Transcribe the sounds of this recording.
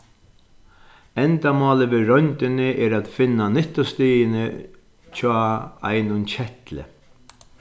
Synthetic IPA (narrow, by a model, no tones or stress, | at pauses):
ɛnt̪amɔːlɪvɪɾɔnt̪ɪnɪʔɛɾat̪fɪnːanɪht̪ʊst̪iːjɪnɪ | t͡ʃʰɔːa̰jnʊnt͡ɕʰɛht̪lɪ̰